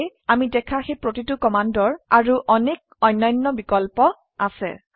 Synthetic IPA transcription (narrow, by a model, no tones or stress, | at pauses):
jamidɛkʰaxejpɹotitukɔmandɔɹaɹuʔɔnek̚ | ɔjnːɔjnːɔbikɔlpɔ | asɛ̰